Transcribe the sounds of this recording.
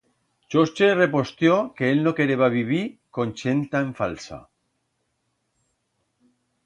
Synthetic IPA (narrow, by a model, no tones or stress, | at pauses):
t͡ʃost͡ʃere̞po̞st̪jokeelnoke̞ɾeβaβiβikonʲt͡ʃent̪aeɱfalsa̰